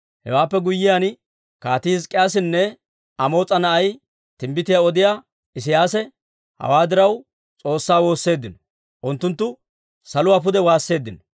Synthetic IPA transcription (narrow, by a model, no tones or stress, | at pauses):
hɛ̰waːpːɛɡʊjːɪjaːn | kaːt̪izkʼɪjaːs̬ɪnːɛ | ɐmo̞ːt͡sʼɐnɐʔɐj | t̪ɪmbɪt̪ɪjaɔd̪ɪjaː | ɪs̬ɪjaːsɛ | hɐ̰waːd̪ɪɾɐw | t͡sʼo̞ːsːaːwo̞ːsːe̞ːd̪ːɪnɔ̥ | ʔʊnt̪ːʊnt̪ːʊ | sɐlʊwaːpʊd̪ɛwaːsːe̞ːd̪ːɪnɔ